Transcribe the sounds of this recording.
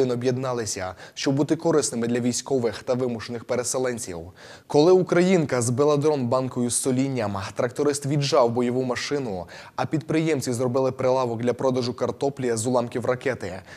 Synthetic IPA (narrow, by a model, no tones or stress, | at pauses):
ɪnɔbjed̪nɑlˠɪsʲɐ̰ʃt͡ʃɔbbut̪ɪkɔɾɪsnɪmɪd̪lʲɐʋʲijsʲkɔʋɪxt̪ɐʋɪmʊʃenɪxpeɾeselˠɛnʲt͡sʲḭw | kɔlˠɪukɾɐjinkɐzbelˠɐd̪ɾɔnbɑnkɔjʊsːɔlʲinʲːɐmt̪ɾɐkt̪ɔɾɪst̪ʋʲiʒɑwbɔjɔʋumɐʃɪnʊɐpʲid̪̚pɾɪjɛmt͡sʲizrɔbɪlˠɪpɾelˠɑʋɔk̚d̪lʲɐpɾɔd̪ɐʒʊkɐrt̪ɔplʲijɐzʊlˠɑmkʲiwrɐkɛt̪ɪ